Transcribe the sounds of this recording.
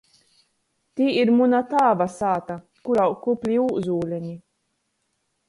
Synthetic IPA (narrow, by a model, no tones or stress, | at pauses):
t̪iːiɾmunat̪aːvasaːt̪a | kuɾawkuplʲiuːzuːlʲɛɲʲi